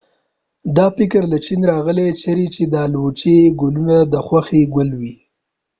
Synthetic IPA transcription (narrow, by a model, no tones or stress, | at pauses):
d̪ɑfɪkəɾlat͡ʃinɾɑɣəlet͡ʃaɾit͡ʃed̪ɑlwut͡ʃeɡʊlunad̪əxwaxeɡʊlwi